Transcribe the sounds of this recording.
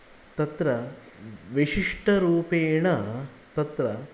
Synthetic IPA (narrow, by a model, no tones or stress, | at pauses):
t̪ɐt̪ɾɐ | ʋiʂiʂʈɐɾuːpeːɳɐ | t̪ɐt̪ɾɐ